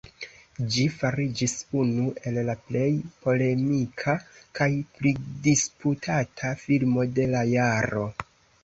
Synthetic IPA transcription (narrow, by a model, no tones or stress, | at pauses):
d͡ʒifaɾid͡ʒisunuʔe̞llaple̞jpo̞le̞mikʰakajplidisputʰatʰafilmo̞de̞lajaɾo̞